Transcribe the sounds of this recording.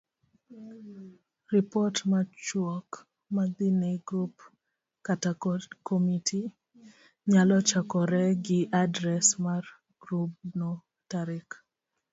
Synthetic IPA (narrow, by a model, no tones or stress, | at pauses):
ripɔtmat͡ʃwɔk | mad̪iniɡɾup | katakomitʰi | ɲalɔt͡ʃakɔɾɛɡɪʔadɾɛsmar | ɡɾup̚nɔ | taɾɪk